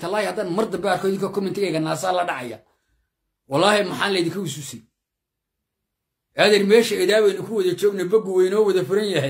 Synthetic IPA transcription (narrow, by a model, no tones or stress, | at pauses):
t̪ʰɐlaːjhɐd̪aːnmɐrd̪ɐbɛaːɾkʰɔːɪðɪŋkʰɐkʰɔmɪnt̪ʰɪɣɛjɣɐnaːsaːlɐɖɑʕɑja̰ | wɑlːɑːhɛmɐħaːnlɐjðɪŋkʰɐwususɛ | ʔɛðɛrmɛːʃɐɛðaːβɛjnɐkʰʊwɐðɐt͡ʃɔːɡnɐbɐɡʊwɛjnɔːwɐðɐfɪɾɐnjɐɦɛj